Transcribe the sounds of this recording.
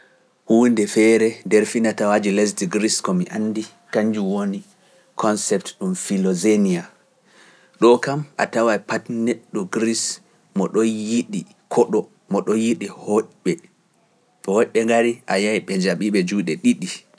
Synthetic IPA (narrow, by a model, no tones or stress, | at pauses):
huːndɛfɛɾɛndɛɾfinatawad͡ʒilɛs̬diɡɾiskɔmiʔanːdi | kaɲd͡ʒuwoni | kʰɔnsɛp̚tɗumfilɔzenia | ɗɔkamʔa̰tawajpatneɗːuɡɾis | mɔɗɔjiɗi | kʰɔɗɔ | mɔɗɔjiɗihɔʔɓɛ | tɔhɔʔɓɛŋɡaɾiʔajajɓɛɲd͡ʒaɓiɓɛd͡ʒuːɗɛɗiɗi